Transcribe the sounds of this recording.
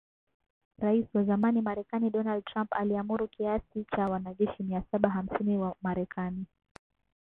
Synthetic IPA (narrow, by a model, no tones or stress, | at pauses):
ɾaisiwazamanimaɾɛkaniɗɔnald̚tɾampaliamuɾukiasit͡ʃawanaʄɛʃimiasaɓaɦam̩siniwamaɾɛkʰani